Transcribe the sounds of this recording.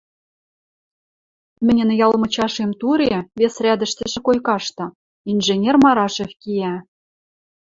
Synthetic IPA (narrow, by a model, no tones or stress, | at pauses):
mɘ̆nʲɘ̆njɑlmɤ̆t͡ɕɑʃemt̪uɾeβesrʲæd̪ə̆ʃt̪ɘ̆ʒɘ̆kojkɑʃt̪ɤ̆ | inʒenʲermɑɾɑʃefkijæ